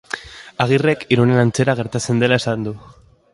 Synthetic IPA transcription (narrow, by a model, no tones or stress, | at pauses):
aɣ̞ire̞kiɾone̞nant͡se̞ɾaɣ̞e̞ɾt̪at͡se̞nd̪e̞lae̞sand̪u